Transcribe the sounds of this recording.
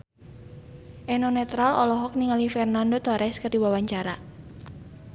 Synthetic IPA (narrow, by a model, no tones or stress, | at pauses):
ʔɛnonɛt̪ɾalʔɔ̰lɔɦɔk̚niŋalifɛrnandot̪ɔɾɛskərdiwawaɲt͡ʃaɾa